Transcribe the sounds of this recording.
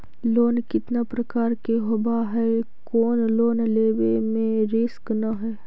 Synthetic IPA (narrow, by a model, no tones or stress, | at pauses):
loːnkɪt̪napɾɐkaːɾkeɦʊbaɦɛ | koːnloːnleːbemẽɾɪsknaɦɛː